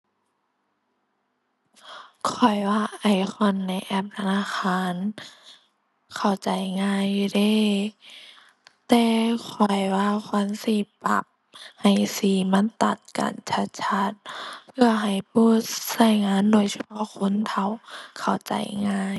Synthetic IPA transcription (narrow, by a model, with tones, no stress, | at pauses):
kʰɔ˨˩jwaː˧ʔa˧˩jkʰɔ˧˥nːa˧˩jʔɛ˧˩p̚t̪ʰa˧naː˧˥˨xʰaː˧˥˨n | kʰa˨˩wt͡ɕa˨˩jŋaː˧˥˨jdeː˧˥˨ | t̪ɛː˧˩kʰɔ˨˩jwaː˧kʰa˧˥˨nsiː˧˩pa̰˧˩p̚ | ha˨˩jsiː˧˩ma˧˥˨nt̪a̰˨˩t̪̚ka̰ː˨nt͡ɕʰa˧˥t̪̚t͡ɕʰa˧˥t̪̚pʰɯ˧˩ɐɦa˨˩jpʰuː˧˥˩sa˧˩jŋaː˧˥˨ndoː˧˨jsʰa˧pʰɔ˧˥˨kʰo˧˥˨nt̪ʰa˧˩wkʰa˨˩wt͡ɕa̰˨˩jŋaː˧˥˩j